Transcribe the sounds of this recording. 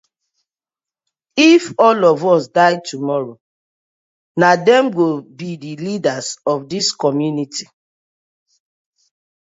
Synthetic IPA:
ifɔlɔvɔsdaɪtumɔɹo | nadɛ̃mɡobidilidazɔfdiskɔmjuniti̥

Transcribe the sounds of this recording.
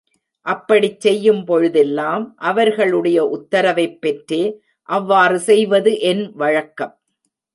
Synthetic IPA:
ʔɐpːɐɽit͡ʃsɛjːɯmpɔɻɯðɛlːaːmʔɐʋɐɾɣɐɭɯɽɐjɐʔʊt̪ːɐɾɐʋɐɪpːɛʈɾeː | ʔɐʋːaːrɯsɛjʋɐðɯʔɛnʋɐɻɐkːɐm

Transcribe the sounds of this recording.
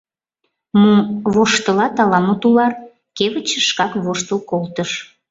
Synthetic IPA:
muβoʃt̪əlɑt̪ɑlɑmut̪ulɑr | keβət͡ɕəʃkɑkβoʃt̪əlkolt̪əʃ

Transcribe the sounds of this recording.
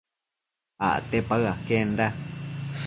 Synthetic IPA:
a̰ʔt̪epaɰakend̪a

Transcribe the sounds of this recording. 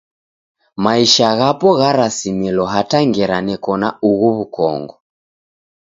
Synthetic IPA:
maiʃaɣapɔɣaɾasimilɔɦataŋɡɛɾanɛkɔna̰uɣuβukɔ̰ŋɡɔ

